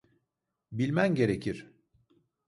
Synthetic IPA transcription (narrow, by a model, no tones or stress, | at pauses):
bilʲmænɟe̞ɾecʰiɾ̥